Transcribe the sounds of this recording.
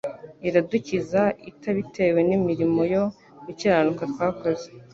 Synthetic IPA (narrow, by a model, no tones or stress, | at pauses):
iɾaducizaitaβitʰe̞we̞nimiɾimo̞jo̞ | iciɾanukatkwaːkaze̥